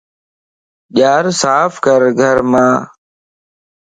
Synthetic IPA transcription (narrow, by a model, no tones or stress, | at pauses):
ʄaːɾsaːfʰkəɾɡʱəɾmãː